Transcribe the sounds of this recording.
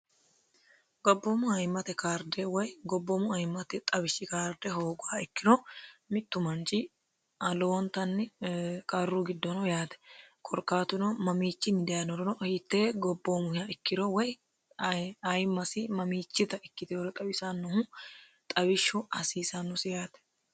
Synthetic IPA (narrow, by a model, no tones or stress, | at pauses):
ɡ̥ɔbːɔmʊɐjmːɐt̪ɛkaːɾd̪ɛwɔjɡɔbːɔmʊɐjmːɐt̪ɛt̪ʼɐbɪʃːɪkaːɾd̪ɛɦoːɡʊaɪkːɪnɔmɪt̪ːʊmɐnt͡ʃɪ | ɐloːnt̪ɐnːɛkʼɐrːʊɡɪd̪ːɔnɔjaːt̪ɛ̥kʼɔɾkːaːt̪ʊnɔmɐmiːt͡ʃːɪnːɪd̪ɛjɐnɔɾɔnɔhɪt̪ːeːɡɔbːomʊhjaɪkːɪɾɔwɔj | ɐjmːɐsɪmɐmiːt͡ʃːɪt̪ɐʔɪkːɪt̪ɛjɔɾɔt̪ʼɐwɪsanːʊhʊ | t̪ʼɐbɪʃːʊʔɐsiːsɐnːʊsɪjaːt̪ɛ̥